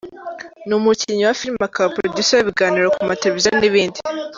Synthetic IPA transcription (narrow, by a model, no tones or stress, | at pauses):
numuciɲowafiɾimakapɾodusojeβiɡaːniɾokumateɾevizoniβiːndi